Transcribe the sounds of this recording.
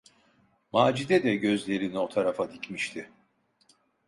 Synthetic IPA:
maːd͡ʒid̪ɛd̪ɛɟø̞zlʲe̞ɾinio̞t̪ʰaɾafad̪icmiʃt̪ʰɪ

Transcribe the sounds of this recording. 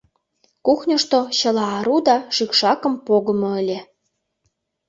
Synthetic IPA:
kuxnʲə̆ʃt̪oɕə̆lɑːɾud̪ɑʃykʃɑkə̆mpoɣə̆moə̆lʲe

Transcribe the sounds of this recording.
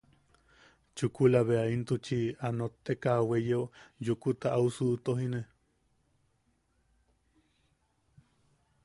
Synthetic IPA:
t͡ʃukulaβeaint̪ut͡ʃianot̪ːekawejeojukut̪aʔausut̪oɦine

